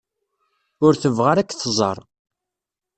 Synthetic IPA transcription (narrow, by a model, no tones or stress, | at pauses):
ʊɾθəvʁaɾækːθzˤɑ̰ɾˤ